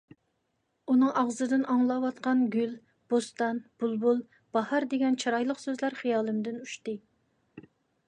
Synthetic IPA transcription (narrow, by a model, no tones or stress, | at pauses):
unɨŋʔɑʁzɨd̪ɨnɑŋlˠɑwɑt̪̚qɑnɡʲyl | b̥ost̪ɑnb̥ulˠbulˠ | b̥ɑhɑɾd̪eɡʲɛnt͡ʃʰɑɾɑjlˠəqsøzlæɾχijɑːlˠɨmd̪ɪnuʃt̪ɨ